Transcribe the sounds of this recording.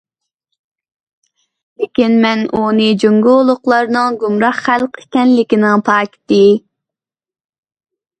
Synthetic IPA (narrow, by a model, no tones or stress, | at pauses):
lekʲinmɛnunɨd͡ʒoŋɡolˠʊqlˠɑɾnɨŋɡumɾɑχχælˠqʰekʲɛnlɪkʲinɪŋpʰɑːkʲi̥t̪ɪ